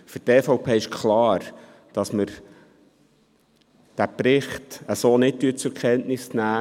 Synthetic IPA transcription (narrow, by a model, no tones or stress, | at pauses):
fɵɾtɛːfɔʊpʰeːɪʃkχlɑːɾ | d̥ɑsməɾ | d̥æpɾɪχtəsoːnɪt̚tyətt͡sʊɾkʰɛntnɪsnæː